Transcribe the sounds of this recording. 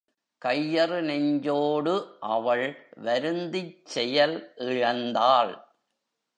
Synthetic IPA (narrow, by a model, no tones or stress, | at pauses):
kɐjːɐrɯnɛɲd͡ʒoːɽɯʔɐʋɐɭʋɐɾɯnd̪ɪt͡ʃːɛjɐlʔɪɻɐnd̪aːɭ